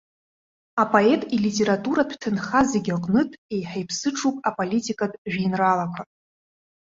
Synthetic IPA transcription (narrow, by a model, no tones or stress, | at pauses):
apʼo̞etʼilitʼe̞ɾatʼuɾadʷʰtʰɨnχazeɡʲaqʼnɨtʼe̞jħejpʰsɨʈ͡ʂʰupʼapʼolitʰʼikʼadʼʒᶣinralakʷʰa